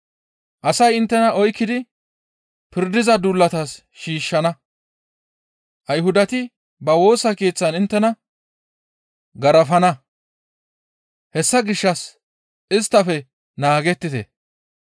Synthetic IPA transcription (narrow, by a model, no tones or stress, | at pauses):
ʔɐsɐjɪnt̪ːɛnɐʔɔjkːɪd̪ɪ | pɪɾd̪ɪzɐd̪ulːɐt̪aːs | ʃiːʃːɐnɐ | ʔɐjɦʊd̪ɐt̪ɪ | bɐwo̞ːsɐke̞ːt͡sːɐnɪnt̪ːɛnɐ | ɡɐɾɐfɐnɐ | hɛsːɐɡɪʃːɐs | ʔɪst̪ːɐfɛ | naːɡɛt̪ːɪt̪ɛ̰